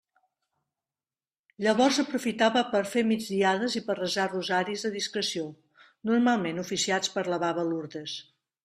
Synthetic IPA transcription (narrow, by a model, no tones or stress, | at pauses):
ʎəβɔɾzəpɾufit̪aβəpəɾfemid͡zðiaðəzipərrəzaruzaɾizðəðiskɾəsio | nuɾmalˠmenufisiat͡spəɾləβaβəluɾðəs